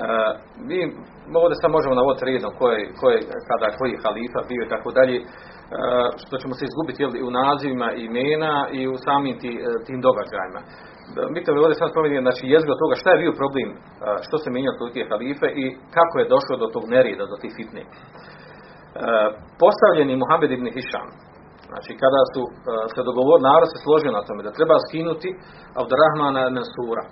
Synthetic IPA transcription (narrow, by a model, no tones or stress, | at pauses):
ə | miː | oːʋd̪e̞sad̪mo̞ʒemonaʋo̞d̪it̪ɾeːd̪omkojeko̞jekad̪aːkʰo̞jijexaliːfabio̞it̪akoːd̪aʎeː | ʃt̪o̞t͡ɕe̞moseizɡubit̪jeliunaːziʋimaʔimeːnaiusaːmiːmt̪iːt̪iːmd̪o̞ɡad͡ʑa̰ːjima̰ | mit̪omioːʋd̪esad̪spɾomeneznaːt͡ʃiːjezikot̪oːɡaʃt̪aje̞bio̞pɾo̞bleːm | ʃt̪osemʲeɲot̪olikoexaliːfeʔikakoje̞d̪o̞ʃlˠod̪o̞t̪oːɡneɾjeːd̪ad̪ot̪iːhfit̪nḛː | po̞st̪aʋʎenimuɦamːed̪ibniɦiʃa̰ːm | zna̰ːt͡ʃiːkad̪aːsuse̞d̪oɡo̞ʋoɾnaːɾod̪se̞slˠo̞ʒijo̞nat̪o̞me̞d̪at̪ɾe̞baːskinut̪i | abd̪uɾaɦmaːnamensuːɾa̰